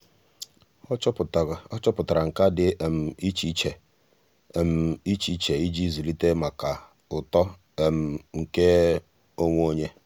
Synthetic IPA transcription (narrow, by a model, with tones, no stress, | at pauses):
t͡ʃtɔ˦t͡ʃɔ˦pʊ˨ta˨ɾa˨ŋ̩˨ka˦dɪ˨m̩˨i˦t͡ʃi˦t͡ʃe˨ | m̩˨i˦t͡ʃi˦t͡ʃe˨i˦d͡ʒi˦zi˨li˦te˦ma˨ka˨ | ʊ˨tɔ˦ | e˨m̩˨ŋ̩˨ke˦ | o˦ŋʷ˦o˦ɲe˦